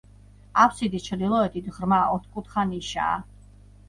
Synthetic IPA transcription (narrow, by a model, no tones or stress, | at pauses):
apsid̪ist͡ʃʰɾd̪ilˠɔɛt̪ʰid̪ʁɾmaɔt̪ʰkʼut̪χaniʃa̰ː